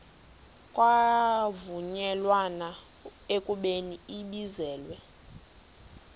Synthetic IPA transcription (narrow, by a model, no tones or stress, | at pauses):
kʼwavuɲɛlwana | ekʼuɓeniiɓizɛːlwɛ